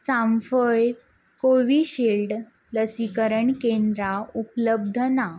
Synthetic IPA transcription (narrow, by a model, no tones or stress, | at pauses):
t͡samfəj | koʋiɕilɖ | ləsikəɾəɳkend̪ɾaupələb̚d̪ʱəna